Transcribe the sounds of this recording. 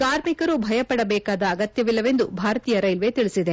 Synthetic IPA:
kaːɾmikɐɾubʱɐjɐpɐɽɐbɛːkaːd̪ɐːɡɐt̪jɐʋilːɐʋe̞nd̪ubʱaːɾɐt̪iːjɐɾɐjlʋe̞t̪iɭisid̪e̞

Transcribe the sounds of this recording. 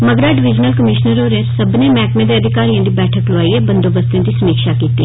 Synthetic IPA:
məɡɾaːɖɪʋɪd͡ʒnəlkəmɪʃnəɾɦoːɾẽːsəbneːmɛːkmẽːd̪eːəd̪ʱɪkaːɾijãːd̪iːbɛːʈʰəklʊaːiːɛːbənd̪oːbəst̪jãːd̪iːsəmiːkʃaːkiːt̪iː

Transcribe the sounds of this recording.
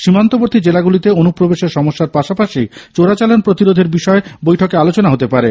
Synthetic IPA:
ʃimant̪oboɾt̪ʰid͡ʑelaɡulit̪eonupɾobeʃeɾʃɔmoʃːaɾpaʃapaʃit͡ɕoɾat͡ɕalonpɾot̪iɾod̪ʱeɾbiʃɔebojʈʰokealot͡ɕonaɦot̪epaɾe

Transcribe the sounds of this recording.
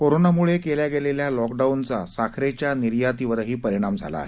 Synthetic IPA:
koɾonamuɭekeljaɡeleljalɔkɖaunt͡sasakʰɾet͡ɕjaniɾjat̪iʋəɾɦiːpəɾiɽ̃amd͡zʱa̰la̰ːɦe

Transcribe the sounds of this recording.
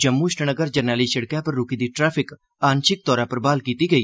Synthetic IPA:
d͡ʒəmːuɪʃʈənəɡəɾd͡ʒəɾnaːliʃɐɽkãpəɾːʊkid̪iːʈɾɛːpʰɪk | aːnʃɪk̚t̪ɔːɾãpəɾbaːlkiːt̪iːɡəiː

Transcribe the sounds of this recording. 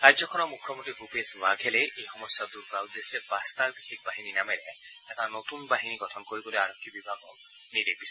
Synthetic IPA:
kajzɔkʰɔnɔmukʰːjɔmɔntiɡupesmaɡʱɛlɛʔejxɔmɔsːatuɹkɹawd̪esɛbast̪aɹbixʰik̚baɦininamɛlɛ | ɛtanot̪unbaɦiniɡɔtʰɔnkoɹibɔloaɹɔkʰːibibʱaɡɔk | nidebis

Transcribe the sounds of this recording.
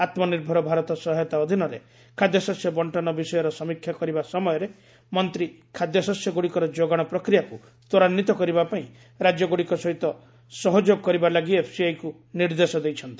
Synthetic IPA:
at̪mɔniɾbʱɔɾɔbʱaɾɔt̪ɔsɔɦɔjɔt̪aɔd̪ʱinɔɾḛ | kʰad̪jɔsɔsjɔbɔɳʈɔnɔbisɔjɔɾɔsɔmikʰjakɔɾibasɔmɔjɔɾe | mɔnt̪ɾi | kʰad̪jɔsɔsjɔɡoɽikɔɾɔd͡ʒoɡaɽ̃ɔpɾɔkɾijaku | t̪ɔɾanːit̪ɔkɔɾibapaĩ | ɾad͡ʒjɔɡoɽikɔsɔɦit̪ɔ | sɔɦɔd͡ʒoɡkɔɾibalaɡiepʰsiajku | niɾd̪esɔd̪ejt͡ʃʰɔnt̪i

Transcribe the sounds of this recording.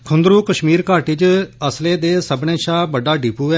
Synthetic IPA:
kʰʊnd̪ɾuːkəʃmiːɾkaːʈit͡ʃəsleːd̪eːsəbɳẽːʃaːbəɖaːɖiːpuːɛː

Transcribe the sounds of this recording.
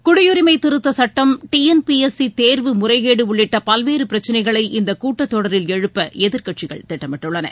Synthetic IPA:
kʊɽʊjʊɾɪmɐɪt̪ːɪɾɯt̪ːɐsɐʈːɐmʈiɛnpiɛsit̪eːɾʋɯmʊrɐɪɣeːɽɯʊɭːɪʈːɐpɐlʋeːɾɯpɪɾɐt͡ʃːɐnɐɪɣɐɭɐɪʔɪnd̪ɐkuːʈːɐt̪ːɔɽɐɾɪlɛɻɯpːɐɛðɪɾkɐʈt͡ʃɪɣɐ̰ɭt̪ɪʈːɐmɪʈːɯɭːɐnɐ̰

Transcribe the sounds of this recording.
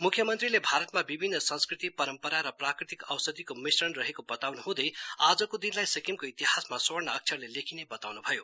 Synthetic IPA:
mukʰjʌmʌnt̪rilebʱaɾʌt̪mabibʱinːʌsʌ̃nskrit̪ipʌɾʌmpʌɾaɾʌprakrit̪ikʌwsʌd̪ikomisrʌnrʌɦekobʌt̪awnuɦũd̪ʌjad͡zʌkod̪inlajsʌkimkoit̪iɦasmasornʌːk̚t͡sʰʌrlelekʰinebʌt̪awnubʱʌjo

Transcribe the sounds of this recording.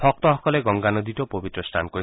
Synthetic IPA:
pʰɔk̚t̪ɔɦɔkɔleɡɔŋɡanɔd̪iʈɔpobit̪ɾɔsʈʰa̰nkɔi

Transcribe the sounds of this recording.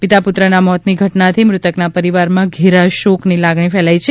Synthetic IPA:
pɪt̪apʊt̪ɾənamɔt̪niɡʱəʈnat̪ʰimɾʊt̪əknapəɾiʋaɾmãɡʱiɾaʃoknilaɡɳifɛlajt͡ʃʰe

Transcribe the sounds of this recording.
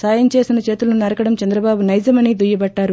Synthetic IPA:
saːjɐnt͡ʃe̞ːsinɐt͡ʃe̞ːt̪ulɐnunɐɾɐkɐɽɐmt͡ʃɐnd̪ɾɐbaːbunɐjd͡ʒɐmɐniːd̪ujɐbɐɖːaːɾu

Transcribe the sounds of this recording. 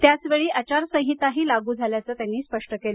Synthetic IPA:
t̪jat͡sʋeɭiːat͡ɕaɾsə̃ɦit̪aɦiːlaɡuːd͡zʱaljat͡səːt̪janːiːspəʂʈəkel

